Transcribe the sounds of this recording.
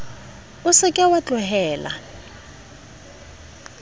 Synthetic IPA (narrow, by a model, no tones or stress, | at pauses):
ʊsɪkʼɛwat͡ɬʼʊɦɛːla̰